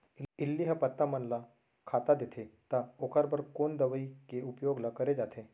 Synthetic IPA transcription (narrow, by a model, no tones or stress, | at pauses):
ɪlːiɦəpɐt̪ːamɐnla | kʰaːt̪ad̪et̪ʰet̪aokʰəɾbəɾkoːnd̪ɐʋəikeupjoːɡlakɐɾed͡ʒaːt̪ʰe